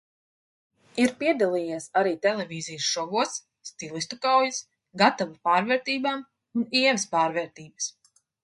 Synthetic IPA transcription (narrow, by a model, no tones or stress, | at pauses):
iɾpiɛd̪alˠiːjiːsaɾiːt̪ɛlˠɛvʲiːzijsʃɔvuɔsː | t̪ilˠist̪ukawjis | ɡat̪avapaːɾvɛːɾt̪iːbaːm | uniɛvspaːɾvɛːɾt̪iːbəs